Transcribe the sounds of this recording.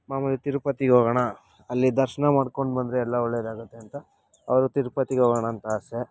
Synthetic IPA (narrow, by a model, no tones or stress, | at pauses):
maːmɐlit̪iɾupɐt̪iɡɦoːɡɐɳa | ɐlːid̪ɐɾʃɐnɐmaːɽkoɳɖbɐnd̪ɾeɛlːɐɔɭːed̪aːɡut̪ːe̞ɐnt̪ɐ | ɐ̰ʋɐɾut̪iɾupɐt̪ːiɡeɦoːɡɐɳaːnt̪ɐase